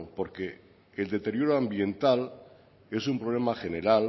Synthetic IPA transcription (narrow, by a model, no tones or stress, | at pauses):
po̞ɾke̞ː | ld̪e̞t̪e̞ɾjo̞ɾoambje̞nt̪al | e̞sumpɾole̞maxe̞ne̞ɾal